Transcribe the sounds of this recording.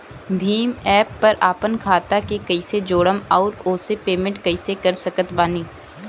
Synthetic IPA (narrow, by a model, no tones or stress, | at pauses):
bʱiːmɛːpːɐɾʔaːpənkʰaːt̪akekɐɪsed͡ʒoːɽəmɔːɾoːsepeːmẽɳʈkɐɪsekɐɾsɐkət̪baːniː